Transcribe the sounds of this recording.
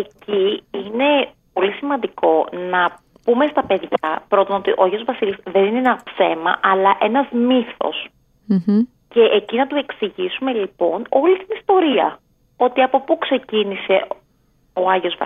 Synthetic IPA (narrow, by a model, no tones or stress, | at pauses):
eciine̞po̞lisimɐnd̪iko̞nɐ | pume̞st̪ɐpe̞ðʝɐ̰pɾo̞t̪onot̪iʔo̞ɐʝeozvɐsilisðe̞nineenɐpse̞mɐ̰ʔɐlɐʔe̞nɐzmiθo̞̰s̩ | ce̞ʔecinɐt̪ue̞ksiʝisume̞lipo̞no̞lit̪inist̪o̞ɾiɐ̰ | o̞t̪iɐpo̞pukse̞cinise̞ | o̞ɐʝeo̞z